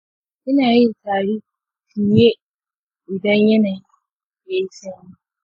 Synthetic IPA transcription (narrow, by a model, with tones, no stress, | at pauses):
ʔɪ˦naː˨ji˦ntaː˨ɽi˦ | ti˨je˦ | ʔɪ˨dɐ˦ɲjɐ˦naː˨ji˦ | ja˦ji˦sɐ˦mi˦